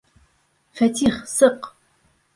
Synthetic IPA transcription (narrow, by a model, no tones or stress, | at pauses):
fɐtʰiːχsɨq